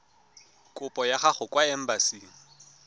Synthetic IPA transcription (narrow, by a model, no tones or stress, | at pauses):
kʼʊpʼɔjaχaχʊkʼwaɛm̩basiːŋ̩